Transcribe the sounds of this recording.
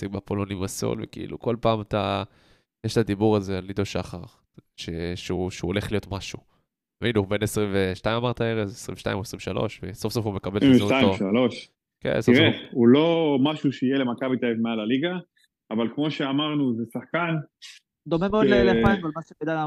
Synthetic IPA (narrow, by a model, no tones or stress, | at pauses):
sikbapolonimasṵlvḛkiʔḭlṵko̞lpaːmat̪a | jeʃt̪ad̪ibuʁazealid̪oʃaχaʁ | ʃeʃeuʃuoleχlijo̞t̪maʃu | minube̞nesʁimveʃtaimamaʁt̪aeʁezesʁḭmveʃta̰ḭmoesʁimveʃalo̞̰ʃveso̞fso̞fume̞kabelzoaoʃaloʃ | kḛnsoʁeulo̞maʃuʃeijelemakabit̪aefmealaliɡaː | valkmo̞ʃeamaʁnuzesaħkan | d̪o̞memeoleleaimvalmaʃebed̪a